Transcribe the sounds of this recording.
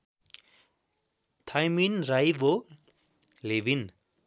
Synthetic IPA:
t̪ʰajminɾajvo | leʋin

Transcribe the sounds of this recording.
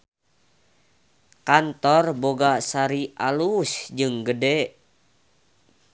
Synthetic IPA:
kant̪ɔrboɡasaɾialusd͡ʒɨŋɡədɛ

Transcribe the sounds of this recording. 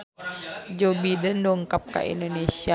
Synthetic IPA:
d͡ʒobidəndoŋkap̚ka̰ʔḭndonesia

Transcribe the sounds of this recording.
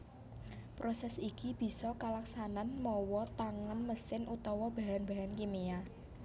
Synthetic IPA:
pɾosɛsikib̥i̤sɔkalaksananmɔwɔt̪aŋanməsɪnʔut̪ɔwɔb̥a̤ɦanba̤ɦankimia

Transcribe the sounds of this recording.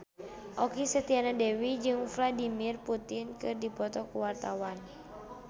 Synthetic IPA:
ʔɔkisət̪ianadɛwid͡ʒɨŋfladimirput̪inkɨrdipɔt̪ɔkuwart̪awan

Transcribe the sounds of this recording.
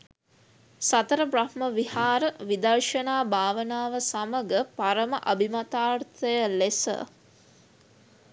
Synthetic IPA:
sɐt̪əɾəprahməʋihaːɾəʋid̪ɐrʃənaːbʱaːʋənaːʋəsaməɡəpaɾəməʔɐbʱimat̪aːrt̪əjəlesə̰

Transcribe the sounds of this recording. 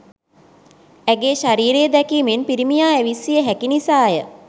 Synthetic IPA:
æɡeːʃaɾiːɾejəd̪ɛkiːmenpiɾimijaːæʋisijəɦækinisaːjə

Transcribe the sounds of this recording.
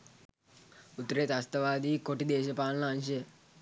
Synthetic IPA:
ut̪ːəɾet̪ast̪əʋaːd̪iːkoʈid̪eːʃəpaːlnəanʃəj

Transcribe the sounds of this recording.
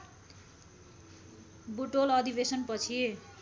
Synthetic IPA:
buʈolʌd̪ibesʌnpʌt͡sʰi

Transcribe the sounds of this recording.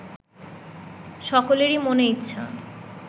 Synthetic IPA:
ʃɔkoleɾimoneitːɕʰa̰

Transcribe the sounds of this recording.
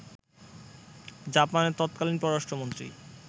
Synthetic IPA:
d͡ʑapaneɾt̪ɔt̪̚kalinpɾɔɾɾaʃʈʰomont̪ɾḭ

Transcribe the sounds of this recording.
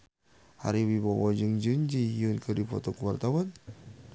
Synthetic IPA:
ha̰ɾiwibɔwɔd͡ʒɨŋd͡ʒuɲd͡ʒijunkɨdifɔt̪ɔkuwart̪awan

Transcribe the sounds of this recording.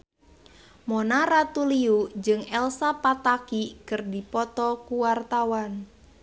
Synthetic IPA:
monaɾat̪uliud͡ʒɨŋɛlsapat̪akikərdipɔt̪ɔkuwart̪awan

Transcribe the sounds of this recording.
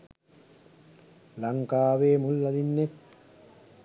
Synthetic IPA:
lɐŋkaːʋeːmulːɐd̪inːet̪

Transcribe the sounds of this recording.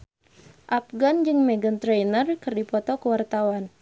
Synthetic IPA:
ʔap̚ɡand͡ʒɨŋmɛɡənt̪ɾɛjnərkɨrdipɔt̪ɔkəwart̪awan

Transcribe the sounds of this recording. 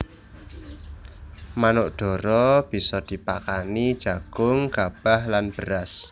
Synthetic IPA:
manoʔɖ̪̥ɔ̤ɾɔb̥i̤sɔd̪̥i̤pakanid̥ʒ̥a̤ɡ̥ʊŋɡ̥ab̥ahlanb̥əɾas

